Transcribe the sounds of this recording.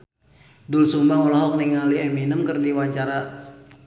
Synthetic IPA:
dulsumbamɔlaɦɔk̚niŋaliɛminəmkərdiwaɲt͡ʃaɾa

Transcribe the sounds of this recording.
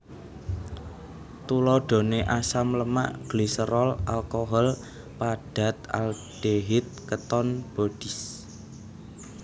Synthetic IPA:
t̪ulɔɖ̥o̤neʔasamləma̰ʔɡ̥lisəɾɔlalkoɦɔl | paɖ̥ä̤t̪a̰l | d̥eɦɪt̪̚kət̪ɔnb̥o̤d̥i̤s

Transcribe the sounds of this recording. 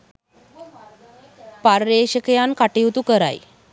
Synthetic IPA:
paɾːeɕəkjankaʈiwt̪ukəɾa̰j

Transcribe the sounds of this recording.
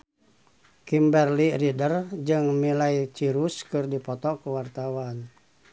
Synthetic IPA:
kimbɛrliridərd͡ʒɨŋmilait͡ʃiɾuskɨrdipɔt̪ɔkuwart̪awan

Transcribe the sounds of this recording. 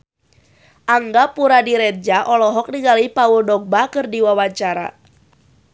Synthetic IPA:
ʔaŋɡapuɾadiɾɛt̪̚d͡ʒaʔɔlɔɦɔk̚niŋalipauldɔɡ̚bakɨrdiwawat͡ʃaɾa̰

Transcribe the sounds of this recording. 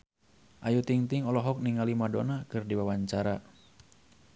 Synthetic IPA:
ʔajut̪iŋt̪iŋɔlɔɦɔk̚niŋalimadonakɨrdiwawaɲt͡ʃaɾa

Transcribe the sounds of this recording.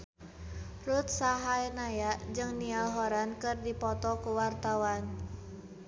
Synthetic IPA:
rut̪̚saɦajnajaʔd͡ʒɨŋnialɦɔɾankɨrdipɔt̪ɔkuwart̪awan

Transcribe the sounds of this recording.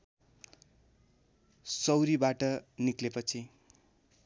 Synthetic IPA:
sʌwɾibaʈʌniklepʌt͡sʰi

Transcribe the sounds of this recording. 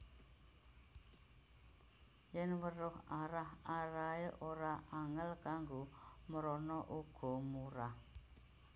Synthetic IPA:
jɛnwərʊhaɾahaɾaeʔoɾaaŋəlkaŋɡoməɾɔnɔʔuɡ̥ɔ̤muɾah

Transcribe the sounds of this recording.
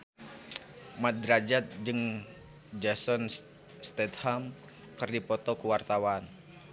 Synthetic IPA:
mad̪ɾad͡ʒat̪̚d͡ʒɨŋ | d͡ʒasɔn | st̪ɛt̪ham | kɨrdipɔt̪ɔkuwart̪awan

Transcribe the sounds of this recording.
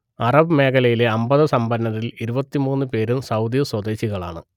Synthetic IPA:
ɐrɐbɨme̞ːkʰɐlɐjile̞ɐmbɐðɐsɐmbɐnːɐɾiliɾubɐt̪ːimuːnːɨpe̞ːɾumsɐwd̪jɐswɐd̪e̞ːɕiɣɐɭa̰ːɳɨ

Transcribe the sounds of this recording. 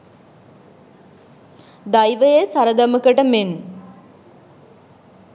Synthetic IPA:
d̪ajʋəjesaɾəd̪əməkəʈəmen

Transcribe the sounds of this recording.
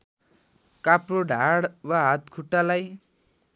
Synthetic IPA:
kaproɖʱaɽwaɦat̪kʰuʈːalaj

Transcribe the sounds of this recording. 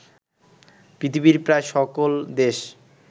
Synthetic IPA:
pɾit̪ʰibiɾpɾaeʃɔkold̪eʃ

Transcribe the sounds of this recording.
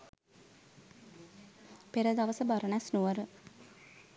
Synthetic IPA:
peɾəd̪aʋəsəbaɾəɳasnuʋəɾə

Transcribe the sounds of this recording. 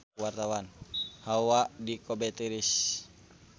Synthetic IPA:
wart̪awanhaadikɔbɛt̪iɾis

